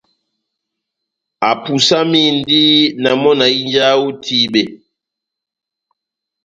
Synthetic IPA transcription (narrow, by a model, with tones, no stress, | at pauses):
a˨pu˨sa˦mi˦n˦di˦na˨mɔ˦na˨i˦nd͡ʒa˦wu˦tʰi˦ɓe˨